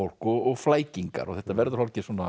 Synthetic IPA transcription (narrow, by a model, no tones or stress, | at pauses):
owl̥kɔɣɔɣflaːjciŋka̰ɾɔ̰ɣθɛht̪avɛɾðʏɾhalcɪsuːna